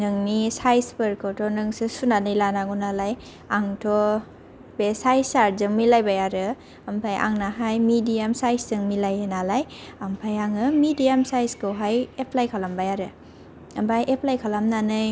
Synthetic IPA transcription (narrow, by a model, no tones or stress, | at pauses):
nɯŋnisajspɯɾkʰɯwtʰɔnɯŋsɯsunanɯjlanaɡunalaj | aŋtʰɔ | b̥esajsaɾzɯŋmilajbajaɾɯ | ampʰajʔa̰ŋnaɦajmidijamsajsɯŋmilajɯnalajampʰajaŋɯmidijamsajskʰɯwɦajepʰlajkʰalambajaɾɯ | ambajʔepʰlajkʰalamnanɯj